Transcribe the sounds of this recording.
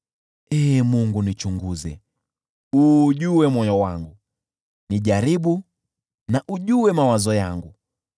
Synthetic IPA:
ɛmuŋɡunit͡ʃuŋɡuzɛ | uːʄuwɛmɔjɔwaŋɡu | niʄaɾiɓu | naʔuʄuwɛmawazɔjaŋɡu

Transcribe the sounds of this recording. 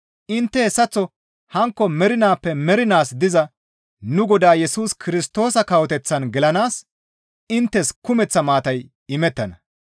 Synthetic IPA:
ʔɪnt̪ːɛhɛsːɐt͡sːɔ | hɐŋkːɔmɛɾɪnaːpːɛmɛɾɪnaːsd̪ɪzɐ | nʊɡɔd̪aːjɛsuːskʰɪɾɪst̪o̞ːsɐkɐwɔt̪ɛt͡sːɐnɡɛlɐnaːs | ɪnt̪ːɛskʊmɛt͡sːɐmaːt̪ɐj | ɪmɛt̪ːɐnɐ

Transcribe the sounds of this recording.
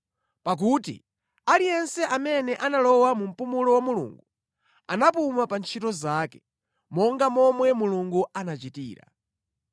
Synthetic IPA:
pak̬utḭ | alijɛnsɛʔamɛnɛʔanalɔwamum̩pumulɔwamulṵːŋɡu | anap̬umapant͡ʃʰitɔzaːkɛ̥ | mɔŋɡamɔmwɛmuluŋɡuanat͡ʃitiːɾa̰

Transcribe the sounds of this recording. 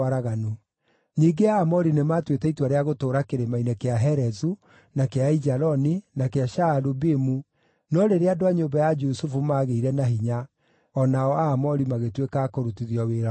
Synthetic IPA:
aɾaɣano | ɲiɡeaːmɔɾinemaːtwetɛitwaɾeaɣotoːɾakeɾemainɛkeaɦɛɾɛzu | nakeaid͡ʒaɾɔninakeaʃaɾubemu | nɔɾeɾeadoaɲoːmbajad͡ʒusufumaːɣeiɾɛnaɦiɲa | ɔnaɔaːmɔɾimaɣetwekaːkoɾutiðiɔweɾa

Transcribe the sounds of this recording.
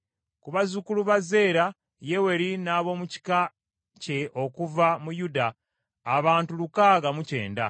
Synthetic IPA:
kuβazukuluβaze̞ːɾa | je̞we̞ɾinaːβo̞muci̥ka | ce̞ʔo̞kuvamujudaː | βaːntulukaːɡamuce̞̰ːnda̰

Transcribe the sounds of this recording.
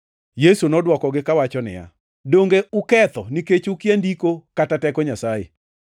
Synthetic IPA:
jesunɔdwɔkɔɡɪkawat͡ʃɔnɪ̰ja̰ | doŋɡeʊkɛt̪ɔniket͡ʃukjendikokatatɛkɔɲasajḛ

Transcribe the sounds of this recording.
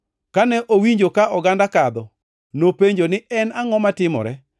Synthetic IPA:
kanɛʔowiɲd͡ʒokaʔɔɡandakad̪ɔ | nopeɲd͡ʒonɪʔɛnaŋɔmatɪmɔ̰ɾɛ

